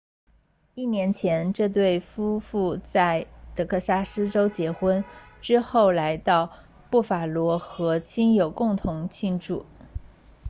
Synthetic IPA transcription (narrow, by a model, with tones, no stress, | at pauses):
i˥˩njɛ˧˥nt͡ɕʰjɛ˧˥nʈ͡ʂɤ˥˧t̪̬we˥˩ɪfu˥fu˥˧t͡sa˥˩ɪt̪ɤ˧˥kʰɤ˥˩sa˥ʂɹ̩˥ʈ͡ʂo˥ʊt͡ɕjɛ˧˥xwə˥nʈ͡ʂɻ̩˥xo˥˩ʊla˧˥ɪt̪ɑ˥˧ʊ | pu˥˩fa˨˩lwɔ˧˥xɤ˧˥t͡ɕʰi˥njo˨˩ʊkʊ˥˩ŋt̪ʰʊ˧˥ŋt͡ɕʰi˥˧nʈ͡ʂu˥˩